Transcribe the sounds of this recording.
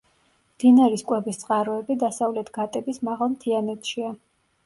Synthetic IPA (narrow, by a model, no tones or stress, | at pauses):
md̪̥inaɾiskʼwɛbist̪sʼqʼaɾɔɛbid̪asavlɛt̪ʰɡ̥at̪ʼɛbismaʁalˠmt̪ʰianɛt̪ʰʃia